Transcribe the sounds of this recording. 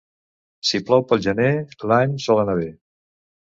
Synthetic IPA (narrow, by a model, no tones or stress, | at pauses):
siplɔwpəlˠʒənelaɲsɔlənaβe